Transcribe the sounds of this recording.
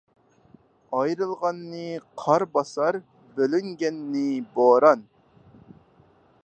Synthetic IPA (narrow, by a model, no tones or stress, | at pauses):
ɑjɾɨlˠʁɑnːɨqʰɑɾbɑsɑɾ | bølyŋɡʲɛnːɪboːɾɑn